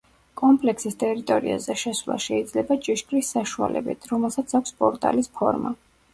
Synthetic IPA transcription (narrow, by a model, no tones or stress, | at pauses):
kʼɔmpʼlɛkʰsist̪ʼɛɾit̪ʼɔɾḭa̰zɛʃɛswlˠa̰ʃɛid̪zlɛbat͡ʃʼiʃkʼɾisːaʃua̰lɛ̰bḭt̪ʰɾɔmɛlˠsat̪sʰakʷʰspʼɔɾt̪ʼa̰lispʰɔ̰ɾma